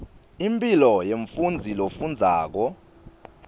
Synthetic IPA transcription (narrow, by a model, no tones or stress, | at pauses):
impʼilɔjeɱfund͡zʱilofund͡zʱaːk̬ɔ